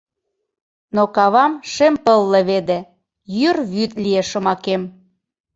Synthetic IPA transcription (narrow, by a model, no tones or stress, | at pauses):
nokɑβɑmʃempəlːĕβed̪ĕ | jyrβyt̪̚lieʃə̆mɑkem